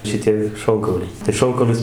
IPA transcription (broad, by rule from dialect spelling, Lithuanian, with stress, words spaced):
ʃʲɪˈtʲiɛ ˈʃoːŋkɐʊlʲɛɪ tɐɪ ˈʃoːŋkɐʊlʲʊs